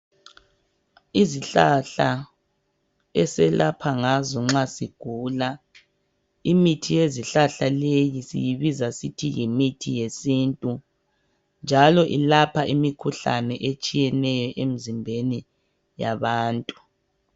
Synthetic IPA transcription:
iziɬaɬa | ɛsɛlʔapʰaŋazɔŋ͡ǁasiɡ̥ʱuːla | imitʰijeziɬaɬalejisḭjiβizasitʰijimitʰijesintʼu | nd͡ʒʱalɔʔilapʰaʔimikʰuɬa̰nɛʔet͡ʃʼijɛnɛjɔʔem̩zimbʱeni | jaβaːntʼu

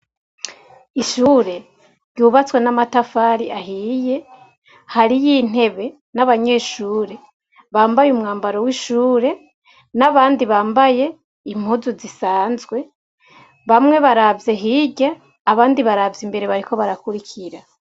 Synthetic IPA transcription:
iʃuːɾe̞ | ɾɟuːβat͡swe̞namatafaːɾiaɦije̞ | haɾijiːn̥e̞βe̞ | naβaɲe̞ːʃuːɾe̞ | βaːmbajumŋaːmbaɾo̞wiʃuːɾe̞ | naβaːndiβaːmbaje̞ | im̥huzuzisaːnzɡwe̞ | βamŋe̞βaɾavze̞ɦiɟe | aβaːndiβaɾavzimbe̞ɾe̞βaɾiko̞βaɾakuɾikʰiɾa

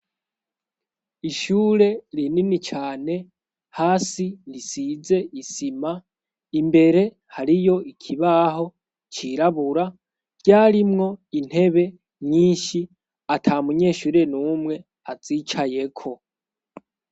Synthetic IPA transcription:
iʃuːɾe̞ɾininit͡ʃaːne̞ | haːsilisize̞ʔisima | imbe̞ɾe̞ | haɾijo̞ikʰiβaːɦo̞ | t͡ʃiɾaβuɾa | ɟaːɾimŋo̞in̥he̞βe̞ | ɲiːnʃi | atʰamuɲe̞ːʃuːɾe̞nuːmŋe̞ | az̥it͡ʃaje̞kʰo̞

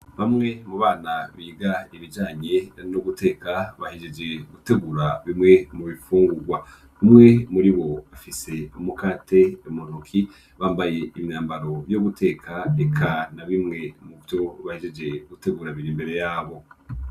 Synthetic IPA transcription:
βamŋe̞muβaːnaβiːɡaiβid͡ʒaːɲe̞nuɡutʰe̞ːkaβahid͡ʒe̞d͡ʒe̞ɡute̞ɡuɾaβimŋe̞muβifuːŋɡuɡwa | βimŋe̞muɾiβo̞afise̞umukaːtʰe̞mun̥ukʰi | βaːmbaje̞iβinaːmbaɾo̞βjoɡutʰe̞ːkʰaekʰanaβimŋe̞muβjo̞βahed͡ʒe̞d͡ʒe̞ɡute̞ɡuɾaβiɾimbe̞ɾe̞jaːβo̞

